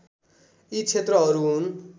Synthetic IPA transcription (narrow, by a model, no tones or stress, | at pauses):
it͡sʰet̪rʌɦʌɾuɦun